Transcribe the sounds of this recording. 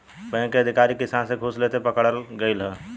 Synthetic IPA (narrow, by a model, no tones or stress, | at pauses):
pə̃ɦĩkeəd̪ʱikaɾikisansẽɡʱuslet̪epəkɽəlɡəɪlɦə